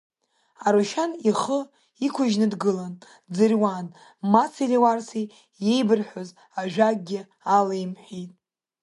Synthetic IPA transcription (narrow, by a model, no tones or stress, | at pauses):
aɾuʃaniχə | ikʷʰʊʒnɨdɡɨlan | d͡zɨrwan | mat͡sʰiriwarsi | je̞jbɨrħʷoz | aʒᶣak̚ʼɡʲɪ | alejmħʷᶣijtʼ